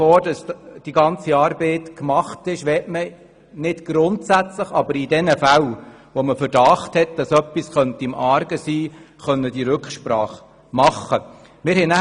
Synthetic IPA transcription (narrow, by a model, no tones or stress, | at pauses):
oːdɑsd̥iɡɑnt͡siɑːɾbeːtkmɑχtɪʃʋɛːtmə | nɪd̥ɡ̥ɾʊntsæt͡sləχɑbəɾidɛnəfæl | ʋoməfəɾd̥ɑːχthɛt̚d̥ɑsœpːisχœntəɪmɑːɾɡəsiː | χœnːəd̥iɾʏkχʃpɾɑːχ | mɑχːə | mɪːɾhɛnæ